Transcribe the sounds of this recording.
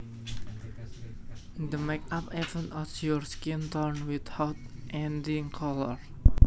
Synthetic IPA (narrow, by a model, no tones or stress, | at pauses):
d̪əmekapɛvə̃ntɔsjɔɹskĩnt̪əɹnwid̪hawt̪̚ʔɛ̃ndĩŋkʰɔlɔɹ